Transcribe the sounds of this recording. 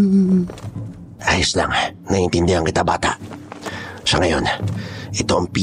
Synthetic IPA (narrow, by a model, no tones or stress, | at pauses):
ʔaːjʊsla̰ŋnɐʔɪnt̪ɪnd̪ɪhaŋkɪt̪aba̰ːt̪a̰ʔ | sɐŋɐjo̞nʔɪt̪o̞ʔɐŋpi